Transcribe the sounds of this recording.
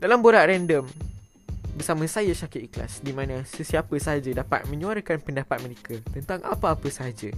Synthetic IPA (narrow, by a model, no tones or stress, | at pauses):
dalamboɾaʔrɛndəm | bərsamãsajasakɪt̪̚ikla̰sdimãnãsəsiapəsəɦad͡ʒadapa̰t̪̚mə̃ɲũaɾakanpəndapat̪̚mə̃ɾekʰat̪ənt̪aŋʔa̰paapəsəɦad͡ʒa